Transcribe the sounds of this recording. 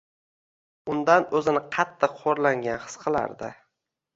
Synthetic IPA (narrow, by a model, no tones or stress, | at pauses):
ʊnd̪anɵzɪnɪqʰɑt̪ʰːɨqʰːoɾlaŋɡʲanχɨ̥sqʰɨlˠa̰ɾd̪ɪ